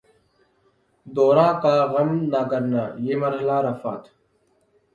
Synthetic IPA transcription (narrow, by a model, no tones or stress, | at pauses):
d̪oːɾãːkaːɣəmnakəɾnaːjeːməɾɦəlaːɾəfaːt̪ʰ